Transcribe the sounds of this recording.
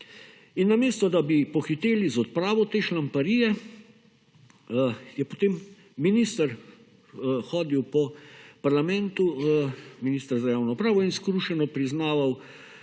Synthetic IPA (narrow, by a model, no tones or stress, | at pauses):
inːameːst̪ɔd̪abipɔxit̪eːlizɔt̪̚pɾaːʋɔt̪eːʃlampaɾiːjɛ | jɛpɔt̪eːmː | inist̪əɾ | xɔːd̪iwpɔpaɾlamɛnt̪u | minist̪əɾzajaːwnɔpɾaːʋɔinskɾuʃɛnɔpɾiznaːʋaw